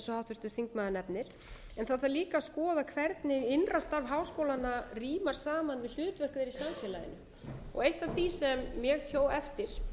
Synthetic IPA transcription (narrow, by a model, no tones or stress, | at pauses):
sɔhawt̪vʏɾ̥t̪ʏɾ̥θiŋkmaːðɪnɛpnɪɾ̥ | ɛnθaðθaliːkaskɔːðakʰvɛɾt̪nɪɪnrast̪aɾvɦaːwskowlanariːmaɾ̥saːmanvɪðl̥ʏːt̪vɛr̥kðɪɾisamfjɛːlajɪ̰nʏ | ɔ̰ɣejht̪av̥θisɛmːjɛɣçoːwɛft̪ɪɾ̥